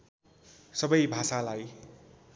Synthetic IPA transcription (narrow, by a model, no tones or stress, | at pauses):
sʌbʌjbʱasalaj